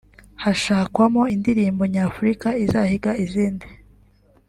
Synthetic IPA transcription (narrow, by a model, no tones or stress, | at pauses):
haʃaːkwamo̞indiɾiːmbo̞ɲaːfuɾikaizahiɡaiziːndi